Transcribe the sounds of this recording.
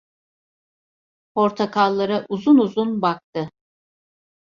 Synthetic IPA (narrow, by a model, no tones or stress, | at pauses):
pʰo̞ɾt̪ʰakʰalˠːaɾaʔuzunuzunbak̚t̪ʰɯ